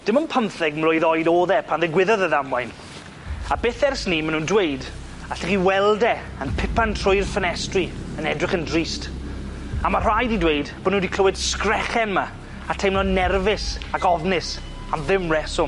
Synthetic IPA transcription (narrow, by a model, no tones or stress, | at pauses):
d̥ɪmənpʰəmθɛɡ̚mlʊjðɔjdoːðɛpʰanðɛɡwɪðɔðəðamwajn | abɪθɛrsnimanuːndwejd | aɬiχiwɛlˠdɛ | ənpʰɪpantʰr̥ʊjrfənɛstriənɛdrɪχəndrist | amar̥ajdidwejdb̥onundikʰl̥əwɪd̥skrɛχɛnma | atʰejmlɔnɛrvɪsakɔvnɪs | amðɪmrɛsʊ